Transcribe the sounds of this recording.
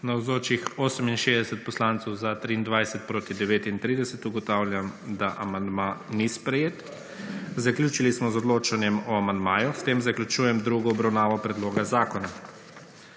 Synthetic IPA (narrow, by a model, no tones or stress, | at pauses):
nawzoːt͡ʃixoːsəminʃeːzd̪ɛsɛt̪̚pɔslaːnt̪sɔwzat̪ɾiːnd̪ʋajsɛt̪̚pɾoːt̪id̪ɛʋeːt̪int̪ɾiːd̪ɛsɛt̪uɡɔt̪awlʲjamd̪aʔamand̪manispɾɛjeːt̪ | zaklʲjuːt͡ʃilismɔzɔd̪loːt͡ʃanjɛmɔamand̪maːjuft̪eːmzaklʲut͡ʃuːjɛmd̪ɾuɡɔɔbɾawnaːʋɔpɾɛd̪loːɡazaːkɔna